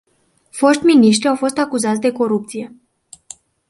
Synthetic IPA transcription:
fo̞ʃt̪ʲminiʃ̬t̪ɾiawfo̞st̪akuzat̪ʲd̪e̞ko̞ɾup̚t̪sije̞

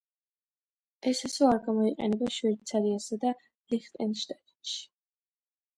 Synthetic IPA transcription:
ɛsasɔaɾɡamɔiqʼɛ̰nɛbaʃwɛɾit̪sʰaɾiasad̪a | liχt̪ʼɛnʃt̪ʼad̪ʼɔnʃi̥

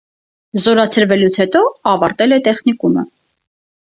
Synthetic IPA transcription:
zɔɾɑt͡sʰəɾvɛlut͡sʰhɛt̪ɔɑvɑɾt̪ɛlɛt̪ɛχnikumə

